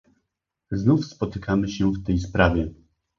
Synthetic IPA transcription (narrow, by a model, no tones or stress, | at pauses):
znufspɔt̪ɘkʰamɘɕɛft̪ɛjspɾavʲjɛ